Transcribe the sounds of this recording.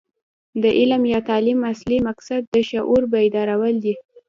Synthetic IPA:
d̪əʔɪlamjɑt̪ɑlimaslimaksad̪̚ːəʃaʔuɾbaid̪ɑɾawəld̪i

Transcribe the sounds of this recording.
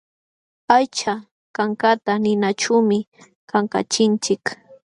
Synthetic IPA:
ajt͡ʃa | kaŋkat̪anɪnaʈ͡ʂʊmɪ | kaŋka̰t͡ʃɪnt͡ʃɪk

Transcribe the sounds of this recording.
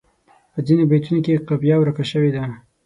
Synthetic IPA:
pəd͡zinebajt̪unokeqabjɑwɾakaʃəwed̪a

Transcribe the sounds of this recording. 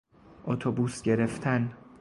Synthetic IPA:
ʔot̪ʰobuːsɟe̞ɾe̞ft̪ʰæn

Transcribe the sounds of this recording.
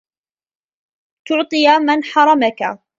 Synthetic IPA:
t̪ʊʕt̪ˤɨjamanħɑɾˤɑmaka̰

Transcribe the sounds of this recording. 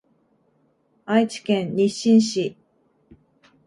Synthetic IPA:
ait͡ɕi̥kẽnɲiɕĩɰ̃ɕi

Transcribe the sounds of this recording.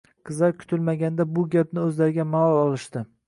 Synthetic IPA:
qʰɨzaɾkʰʊ̥t̪ʰɪlmaɡʲand̪abʊɡʲap̚nɪɵzlaɾɪɡʲamaɒlˠɒlˠɪʃt̪ɪ

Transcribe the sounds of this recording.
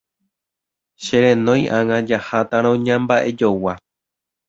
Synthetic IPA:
ʃeɾẽnõ̞j̃ʔãŋãd͡ʒahat̪aɾ̃õɲãmbaʔe̞d͡ʒowa

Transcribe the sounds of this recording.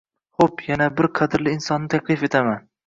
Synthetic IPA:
χopjanabɪɾqʰɑd̪ɪɾlɪɪnsɒnːɪt̪ʰaklˠɪfe̞t̪ʰaman

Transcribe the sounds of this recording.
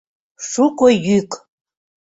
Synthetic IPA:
ʂukojyk

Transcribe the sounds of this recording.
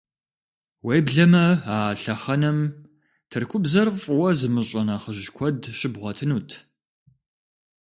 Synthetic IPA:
weːbɮɐmɐaɬɐχɐnɐm | tʰɨrkʷʰʊbzɐrfʼwɐzɨmɨɕʼɐnaχəʑkʷʰɔdɕɪbʁʷɐtʰɨnuːtʰ

